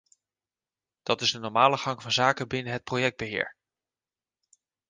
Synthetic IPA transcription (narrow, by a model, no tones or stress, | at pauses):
d̥ɑtɪzdənɔɹmaːləχɑŋvɑnzaːkəbɪnəɦət̚projɛɡ̚d̚bəɦɪ̰ːɹ